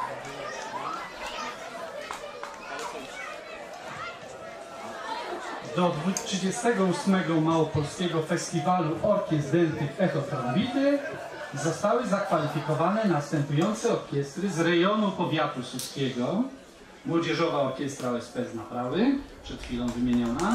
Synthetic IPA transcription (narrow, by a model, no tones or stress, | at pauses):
d̪ɔd̪vutʂɘd͡ʑɛst̪ɛɡɔusmɛɡɔmawɔpɔlskʲɛɡɔfɛsʲt̪ʲivaluʔɔɾkʲɛzd̪ɛnt̪ɘkɛxɔk̪aɾbʲid̪ɘ | zɔst̪awɘzakfalʲifʲikɔvanɛnast̪ɛmpujɔnt̪sɛɔɾkʲɛst̪ɾɘzɾɛjɔnupɔbʲjat̪ususkʲɛɡɔ | mwɔd͡ʑɛʐɔvaɔɾkʲɛst̪ɾaɔɛspɛznabɾawɘpʂɛt̪xʲfʲilɔ̃w̃vɘmʲjeɲɔna